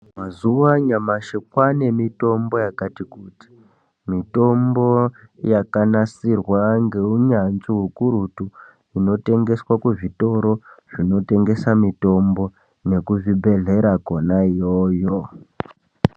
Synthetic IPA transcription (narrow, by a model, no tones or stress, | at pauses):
mazuʋaɲamaʃekwane̞mito̞mbo̞jakatikuti̥ | mito̞mbo̞jakanasirwaŋɡe̞uɲanziɦukuɾutu | ino̞te̞ŋɡe̞swakuʐito̞ɾo̞ʐ̥ino̞te̞ŋɡe̞samito̞mbo̞ | ne̞kuʐibʱe̞ɮe̞ɾakonaijojo